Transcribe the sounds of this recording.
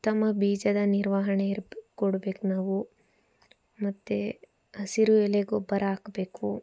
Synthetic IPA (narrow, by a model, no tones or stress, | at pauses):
t̪ɐmːɐbiːd͡ʒɐd̪ɐniɾʋaːɦɐɳeiɾkoɽbeːknaːʋu | mɐt̪ːe | ɐsiɾuɛleɡobɐɾaːkbe̞ːku